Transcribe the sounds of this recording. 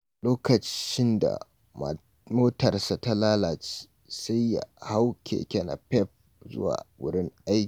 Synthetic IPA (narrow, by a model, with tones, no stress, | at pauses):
loː˦kɐ˨t͡ʃɪ˦nda̰˨ | moː˦tɐ˨rsa˨ta˦laː˦laː˨t͡ʃi̥ː˦ | sa˦jːa̰˨ha˦wkʲʰḛː˨kʲɛ˦na̰˨pɛ˦ɸ̚ | zʊ̰˦wa̰ː˨wʊ˦ɽɪ˦ŋʔa˦jk